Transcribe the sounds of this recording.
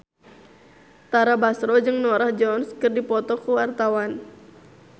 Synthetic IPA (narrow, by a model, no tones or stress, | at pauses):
t̪aɾabasɾɔd͡ʒɨŋnɔɾahd͡ʒɔnskɨrdipɔt̪ɔkuwart̪awan